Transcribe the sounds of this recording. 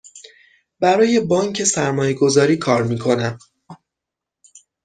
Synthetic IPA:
bæɾɒːje̞bɒːŋcʰe̞sæɾmɒːje̞ɡo̞zɒːɾiːkʰɒːɾmiːkʰo̞næm

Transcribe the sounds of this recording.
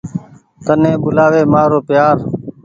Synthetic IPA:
t̪ənẽːɓʊlaːʋeːmaːɾoːpjaːɾ

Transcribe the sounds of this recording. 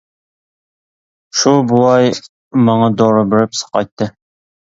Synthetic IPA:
ʃubulˠɑj | mɑŋɑd̪oɾʊbɪɾɪpsə̥qɑ̰jt̪ʰːɨ

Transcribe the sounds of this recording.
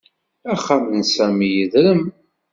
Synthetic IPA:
æχamnsæmijəðɾəm

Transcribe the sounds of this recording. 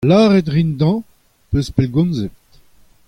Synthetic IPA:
laːʁet̪ʁind̪ɑ̃ | pøspɛlɡɔ̃nzevt̪

